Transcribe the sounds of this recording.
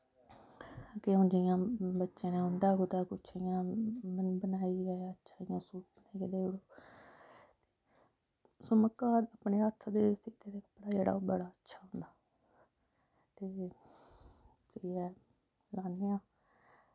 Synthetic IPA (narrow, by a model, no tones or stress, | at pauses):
keõːnd͡ʒɪjãːbətːʃẽːnãːɦʊ̃nd̪aːɡʊd̪aːkʊt͡ʃʰjãː | bənaːiːɡaətːʃʰaːɪjãːsuːbənaːiːɡeːd̪eːoɽoː | t̪eː | sʊməkːaːd̪əːpneːət̪ʰːd̪eːsit̪eːd̪eːkə̥pːɽaːd͡ʒeːɽa̰bəɽaːətːʃʰaːɦʊ̃nd̪aː | t̪eː | siɛː | laːnːeːãː